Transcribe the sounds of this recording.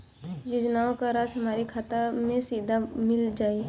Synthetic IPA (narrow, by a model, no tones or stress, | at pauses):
joːd͡ʒnaːõkaɾaːsɦɐmaːɾikʰaːt̪amẽsiːd̪ʱamɪld͡ʒaːi